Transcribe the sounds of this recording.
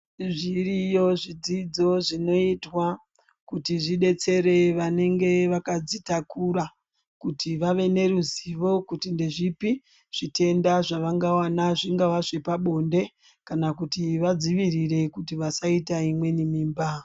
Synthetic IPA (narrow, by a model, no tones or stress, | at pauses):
ʐirijo̞ʐid͡zid͡zo̞ʐino̞itwa | kutiʐiɗe̞t͡se̞ɾe̞ʋane̞ŋɡe̞ʋakad͡zitakʰuɾa | kutʰiʋaʋe̞ne̞ɾuziʋo̞kutinde̞ʐipi | ʐ̥ite̞ndaʐaʋaŋɡawanaʐiŋɡaʋaʐepaɓo̞nde̞ | kanakutiʋad͡ziʋirire̞kutiʋasaitaimwe̞nimiːmba